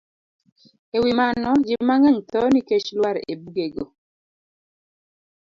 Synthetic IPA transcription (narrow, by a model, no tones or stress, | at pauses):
ewimanɔd͡ʒɪmaŋɛɲt̪ɔniket͡ʃlwaɾḛbuɡeɡo